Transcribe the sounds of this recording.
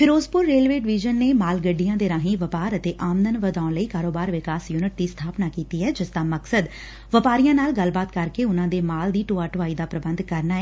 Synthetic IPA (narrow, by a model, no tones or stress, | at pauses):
pʰɪɾoːzpʊɾːeːlʋeːɖɪʋiːd͡ʒənːeːmaːlɡəɖijãːd̪eːɾãːɦĩːʋəpaːɾət̪eːʔaːmd̪ənʋəd̪aːʊɳləiːkaːɾoːbaːɾʋɪkaːsjuːnɪʈ̚d̪iːst̪ʰaːpnaːkiːt̪iːɛːd͡ʒɪst̪ãːməksəd̪ | ʋəpaːɾijãːnaːlɡəlbaːt̪kəɾkeːʊnãːd̪eːmaːld̪iːʈoːaːʈʋaːiːd̪aːpɾəbənd̪kəɾnaːɛː